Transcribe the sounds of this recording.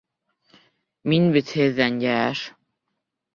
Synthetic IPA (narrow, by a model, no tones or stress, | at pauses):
minbɘt̪heðːænjææʃ